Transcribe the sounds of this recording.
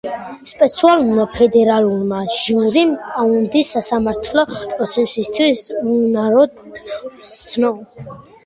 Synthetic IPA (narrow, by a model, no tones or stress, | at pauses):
spʼɛt̪sʰialuɾmapʰɛd̪ɛɾaluɾmaʒiuɾimaund̪isːasamaɾt̪ʰlɔpʼɾɔt̪sʰɛsist̪ʰwisunaɾɔd̪ | t̪sʰnɔ